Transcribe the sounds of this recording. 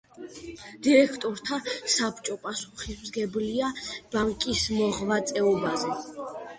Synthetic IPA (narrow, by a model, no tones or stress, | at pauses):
d̪̥iɾɛkʰt̪ʼɔɾt̪ʰasapʰt͡ʃʼɔpʼasu̥χismzɡɛbliab̥aŋkʼismɔʁvat̪sʼɛɔbazɛ